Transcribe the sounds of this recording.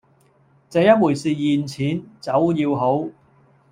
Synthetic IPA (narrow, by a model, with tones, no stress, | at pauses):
t͡sɛ˨˧jɐ˥t̚wuː˨˩siː˨jiː˨nt͡sʰiː˨˥nt͡sɐ˨˥wjiː˧wɦo˨˥w